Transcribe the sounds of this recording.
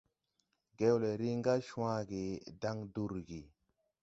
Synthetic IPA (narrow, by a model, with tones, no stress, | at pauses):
ɡe˦wle˨ɾi˦ŋɡa˦ʃũ˦wã˦ɡi˨da˦ŋdu˦˨ɾɡi˨